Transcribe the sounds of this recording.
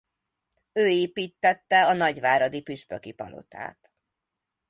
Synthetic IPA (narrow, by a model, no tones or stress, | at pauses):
øːeːpiːt̪ːɛt̪ːɛɒnɒɟʋaːɾɒd̪ipyʃpøkipɒ̰lo̞̰t̪ʰa̰ːt̪